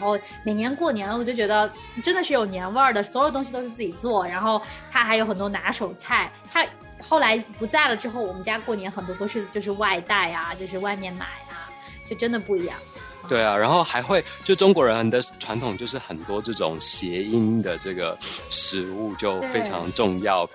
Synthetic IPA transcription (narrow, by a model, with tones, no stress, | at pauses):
xo˥˩ʊ | me˨˩ɪnjɛ˧˥nkwɔ˥˩njɛ˧˥n˨wɔ˨˩t͡ɕo˥˩t͡ɕɥɛ˧˥ə˥˧˩ | ʈ͡ʂə˥nd̪ə˨ʂɻ̩˥˩jo˨˩ʊnjɛ˧˥nwə˞˥˩d̪ə˩sɔ˧˥jo˨ʊt̪ʊ˥ŋɕi˧t̪o˥ʊʂɻ̩˥˧t͡sɹ̩˥˩t͡ɕi˨˩t͡swɔ˥˩ɻa˧˥nxo˥˩ʊt̪ʰa˥xa˧˥ɪjo˧˥xə˨˩nt̪wɔ˥na˧˥ʂo˨˩ʊt͡sʰa˥˩ɪt̪ʰa˥ | xo˥˩ʊla˧˥ɪpu˧˥t͡sa˥˩ɪlə˩ʈ͡ʂɻ̩˥xo˥˩ʊwɔ˨˩mə˦nt͡ɕja˥kwɔ˥˩njɛ˧˥nxə˨˩nt̪wɔ˥t̪o˥ʊʂɻ̩˥˧t͡ɕjo˥˧ʊʂ̬ɻ̩˥˧wa˥˧ɪt̪a˥˩ɪa˩t͡ɕjo˥˧ʊʂ̬ɻ̩˥˧wa˥˧ɪmjɛ˥˩nma̰˨˩ɪa˩ | t͡ɕjo˥˩ʊʈ͡ʂə˥nd̪ə˨pu˥˩i˧˥jɑ̰˥˩ŋ | t̪we˥˩ɪɐ˩ɻa˧˥nxo˥˩ʊxa˧˥ɪxwe˥˧ɪt͡ɕjo˥˧ʊʂʈ͡ʂʊ˥ŋkwɔ˧˥ɻə˧˥n˧nd̪ə˧ʈ͡ʂʰwa˧˥nt̪ʰʊ˨˩ŋt͡ɕjo˥˧ʊʂɻ̩˥˩xə˨˩nt̪wɔ˥ʈ͡ʂɤ˥˩ʈ͡ʂʊ̰˨˩ŋɕjɛ˧˥i˥nd̪ə˨ʈ͡ʂɤ˥˩ɡə̰˩ʂɻ̩˧˥u˥˧t͡ɕjo˥˩ʊfe˥ɪɑ̰˧˥ŋʈ͡ʂʊ˥˧ŋjɑ˥˩ʊ